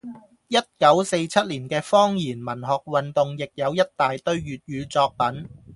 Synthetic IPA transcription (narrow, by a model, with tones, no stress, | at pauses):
jɐ˥t̚kɐ˨˥wse˧jt͡sʰɐ˥t̚liː˨˩nkɛː˧fɔː˥ŋjiː˨˩nmɐ˨˩nɦɔː˨k̚wɐ˨nt̪ʊ˨ŋjɪ˨k̚jɐ˨˧wjɐ˥t̚t̪aː˨jt̪ɵ˥ɥːyː˨t̚jyː˨˧t͡sɔː˧k̚pɐ˨˥n